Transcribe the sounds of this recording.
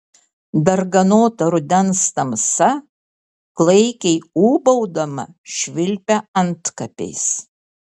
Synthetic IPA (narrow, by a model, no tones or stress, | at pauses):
d̪ɐɾɡɐnoːt̪ɐɾʊd̪ʲɛnst̪ɐmsɐ | klˠɐɪkʲɛɪuːbɐʊd̪ɐmɐ̰ʃʲʋʲɪlʲpʲɛɐnt̪kɐpʲɛ̰ɪs